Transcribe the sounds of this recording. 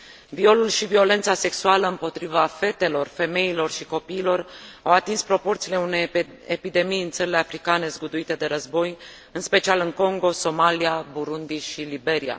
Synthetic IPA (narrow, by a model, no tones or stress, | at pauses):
vio̞lulʃivio̞le̞nt̪sase̞ksualəɨmpo̞t̪ɾivafe̞t̪e̞lo̞rfe̞me̞ilo̞rʃiko̞piːlo̞rawat̪inspɾo̞po̞rt̪siːle̞une̞j | epid̪e̞mijɨnt̪səɾile̞afɾikane̞zɡud̪uit̪e̞d̪e̞ɾəzbo̞j | ɨnspe̞t͡ʃialɨŋko̞ŋɡo̞so̞maliabuɾund̪iʃilibe̞ɾia̰